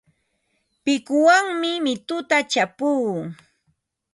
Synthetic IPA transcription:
pɪkʊwaŋmɪmɪt̪ʊt̪at͡ʃapuː

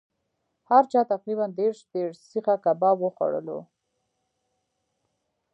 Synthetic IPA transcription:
haɾt͡ʃɑt̪aqɾiβand̪eɾʃd̪eɾsixakabɑwəxwa̰ɽə̰lo̰

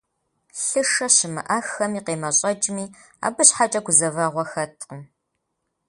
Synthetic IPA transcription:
ɬɨʂɐɕɪmɨ̰ʔaxɐmiːqeːmɐɕʼɐd͡ʒʼmiː | a̰ːbɨɕħat͡ʃʼɐɡʷʊzɐvɐʁʷɔxɐtʰəm

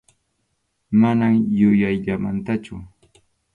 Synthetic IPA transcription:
manamjʊjajʎama̰nt̪at͡ʃʊ

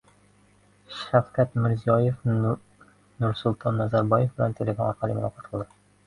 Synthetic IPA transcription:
ʃæfkæt̪mɘ̆ɾzijɑjef | nuɾsʊlˠt̪ʰɑnːɒzæɾbɑjefbɘ̆lænt̪ʲʰelʲefonɒɾqɑlˠɤmʊlˠɑqɑt̪qʰɤlˠd̪ɤ

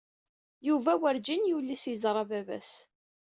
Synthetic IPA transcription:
juvæwəɾd͡ʒinjulːisizɾˤɑvævæ̰s

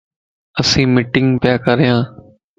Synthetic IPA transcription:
əsĩːmɪʈɪŋɡpjaːkəɾjãː

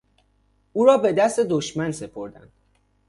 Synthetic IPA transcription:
uːɾɒːbe̞d̪æst̪e̞d̪oʃmænse̞pʰo̞ɾd̪æ̰nd̪̥

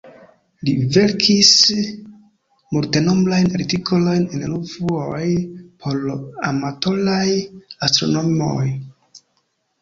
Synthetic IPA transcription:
live̞ɾkʰis | multe̞no̞mblajnaɾitikʰolo̞jnenluvuojpʰo̞ɾa̰mato̞lajastɾo̰no̞mo̰j

